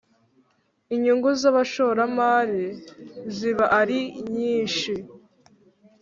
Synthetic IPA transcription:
iɲuŋɡuzaβaʃoɾamaːɾiziβaʔaɾiɲiːʃi

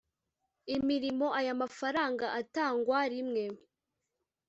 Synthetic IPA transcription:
imiɾimo̞ʔajamafaɾaːŋɡaʔataːŋɡwaɾimŋe̞

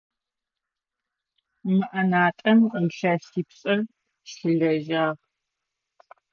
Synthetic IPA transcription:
mɨʔɐnaːtʼɐmɬaːʃiːpɕʼɐr | ʃɬɨɮɐʒaːʁ

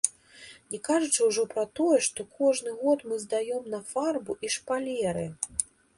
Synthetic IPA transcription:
nʲɛkaʐut͡ʂɨwʐɔpɾɐt̪ɔjɛʂt̪ɔkʰɔʐnɨɣɔt̪mɨzd̪ajɔmnɐfarbuʔiʂpalʲɛɾɨ

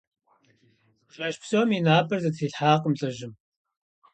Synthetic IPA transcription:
ɕɐʃpʰsoːminaːpʰʼɐrzɐtʰiːɬħaːqəmɬʼɐʒɪm

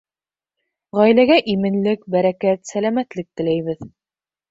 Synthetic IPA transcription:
ʁæjlæɡæʔimɘ̆nlɘk̚bæɾækæt̪sælæmæt̪lɘk̚t̪ɘ̆læjβɘð

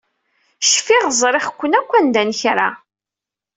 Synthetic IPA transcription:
ʃfɪʁzˤɾˤɪχkʷːənækʷːænd̪ænçɾa

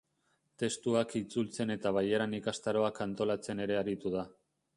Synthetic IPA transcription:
t̪e̞st̪uakit͡sult͡se̞ne̞t̪aβajeɾanikast̪aɾo̞akant̪o̞lat͡se̞ne̞ɾe̞aɾit̪uð̞a

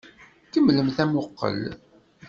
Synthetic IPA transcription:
kəmːləmθæmʊqːə̰l

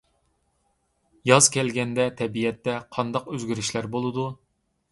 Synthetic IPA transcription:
jɑzkʲɛlɡʲɛnd̪ɛt̪ʰɛbijɛt̪ːɛqʰɑnd̪ɑqøzɡʲyɾyʃlæɾbolˠɨd̪u

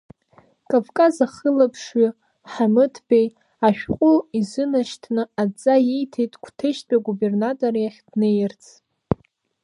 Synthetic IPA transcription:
kʼavkʼazaχəlapʰʂɥʏ | ħamɨtʰbej | aʃᶣqʷʼʊizɨnaʃtʰnɨad͡zʼajejtʰejtʼkʷʰtʰeʃdʼaɡube̞rnatʼorjaχʲdnejɪrt͡sʰ

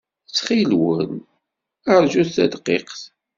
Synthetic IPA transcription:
t͡sːχilwən | əɾʒuθθæ̰d̪qḭqθ

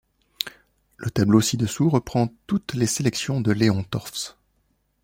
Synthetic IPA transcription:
lət̪ablosid̪əsuʁəpχɑ̃t̪ut̪leselɛksjɔ̃d̪əleɔ̃t̪ɔʁfs

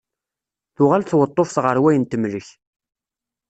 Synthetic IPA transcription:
θʊʁalθwət̪ˤːofsʁəɾwæjənt̪əmləç

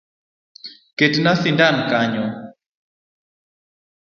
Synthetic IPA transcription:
ketnaθindankaɲɔ

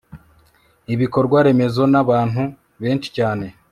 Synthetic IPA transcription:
iβiko̞ɾɡwaɾe̞me̞zo̞naβaːn̥hu | βe̞ːnt͡ʃi̥caːne̞

